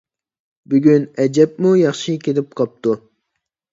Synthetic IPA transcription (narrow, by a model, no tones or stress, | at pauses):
byɡʲynɛd͡ʒɛp̚mujɑχʃikʲelɪp̚qʰɑp̚t̪u